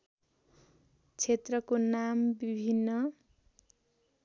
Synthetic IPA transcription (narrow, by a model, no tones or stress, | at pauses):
t͡sʰet̪rʌkonambibʱinːʌ